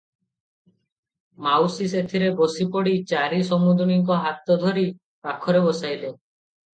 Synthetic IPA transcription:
mawsiset̪ʰiɾebosipɔɽit͡ʃaɾisɔmud̪ɔɽ̃iŋkɔɦat̪ɔd̪ʱɔɾi | pakʰɔɾebɔsajle

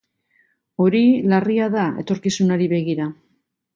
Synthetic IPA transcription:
o̞ɾilariaðae̞̰t̪o̞ɾkisunaɾiβe̞ɣ̞iɾa

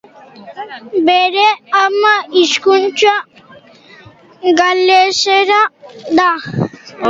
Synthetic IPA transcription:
beɾeamaiʃkunt͡ʃa | ɡalːeʃeɾad̪a

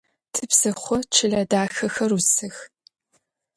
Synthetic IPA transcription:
tʰɨpsɐχʷɔt͡ʃʰɨɮɐdaːxɐxɐrusɨx

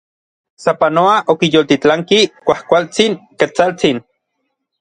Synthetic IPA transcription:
sapanoaʔokijoːlt̪it͡ɬaŋkikʷahkʷalt͡siŋkat͡salt͡sin

